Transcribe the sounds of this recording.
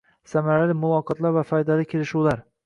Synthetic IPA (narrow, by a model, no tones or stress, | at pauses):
samaɾalɪmʊvɒqʰɨt̪lˠaɾvafɒjd̪alɪkʲʰelɪʃuwlaɾ